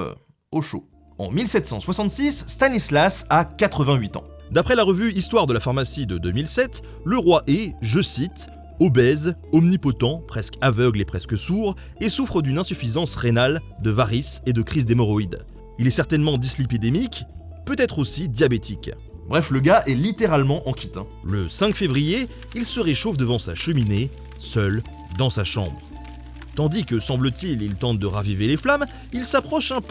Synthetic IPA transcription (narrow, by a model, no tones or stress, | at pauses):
oʃo̰ | ɑ̰̃milsɛt̪sɑ̃swasɑ̃t̪sisːt̪anislasakat̪χəvɛ̃ɥit̪ɑ̰̃d̪apχɛlaʁəvyist̪waʁd̪əlafaʁmasid̪əd̪ømilsɛt̪ | ləʁwaʔeʒəsit̪ | ɔbɛzɔmnipɔt̪ɑ̃pχɛskavœɡlepχɛskəsuʁ | esufχəd̪ynɛ̃syfizɑ̃sʁenald̪əvaʁised̪əkχizd̪emɔʁɔid̪ | ilɛsɛʁt̪ɛnmɑ̃d̪islipid̪emik | pøt̪ɛt̪χosid̪jabet̪ʰik | bʁɛfləɡaʔɛlit̪eʁalmɑ̃ʔɑ̃kʲʰit̪ɛ̰̃ | ləsɛ̃kfevʁije | ilsəʁeʃofd̪əvɑ̃sa̰ʃəmine | sœl | d̪ɑ̃saʃɑ̰̃bʁ | t̪ɑ̃d̪ikəsɑ̃blət̪ililt̪ɑ̃t̪̚d̪əʁaviveleflam | ilsapχɔʃɛ̃p